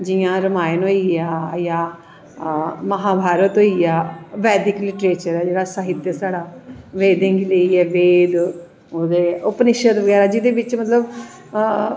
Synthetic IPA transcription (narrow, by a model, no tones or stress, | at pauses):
d͡ʒɪjãːɾəmaːjɪnɦoiaːjaː | məɦaːbʱaːɾət̪ɦoːiːaːʋɛːd̪ɪklɪʈɾeːt͡ʃəɾɛːd͡ʒeːɽaːsaːɦɪt̪jəsaːɽaːʋeːd̪ẽːŋɡiləiːɛːʋeːd̪ | oːd̪eːopnɪʃət̪ʋəɡɛːɾaːd͡ʒɪd̪eːʋɪt͡ʃmət̪ləb